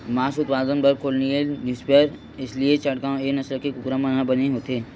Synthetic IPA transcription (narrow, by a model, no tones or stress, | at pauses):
maːsʊt̪paːd̪ənbɐɾkʰoːlnienjuːspejəɾ | ɪsliet͡ʃɐɽkãenɐsləkekʊkɾamɐnɦãbɐneɦoːt̪eː